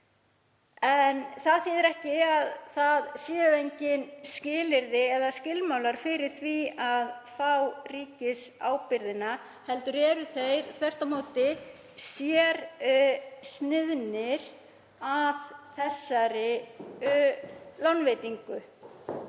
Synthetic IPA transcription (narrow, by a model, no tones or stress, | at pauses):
ɛnθaðθjɛðɪɾɛhcɪaðθaðsjɛːʏejɲcɪnscɪːlɪɾðɪɛðascɪlmawlaɾ̥fɪɾɪɾ̥θviaðfawriːcɪsa̰ːwpɪɾðɪna | hɛlt̪ʏɾɛːɾʏθejɾθʰvɛr̥t̪amoːwt̪ɪ | sjɛɾ | snɪðnɪɾ̥ | aðθɛsːaɾɪʏlanvejt̪iŋkʏ